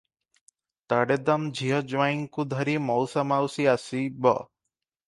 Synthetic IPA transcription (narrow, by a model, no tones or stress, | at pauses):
t̪aɽed̪amd͡ʒʱiɦɔd͡ʒʋajŋkud̪ʱɔɾimɔwsamawsiasibɔ̰